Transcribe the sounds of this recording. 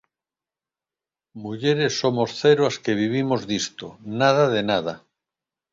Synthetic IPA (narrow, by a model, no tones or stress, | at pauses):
muʝeɾesːomosθeɾoaskeβ̞iβ̞imozðist̪onaðaðenað̞a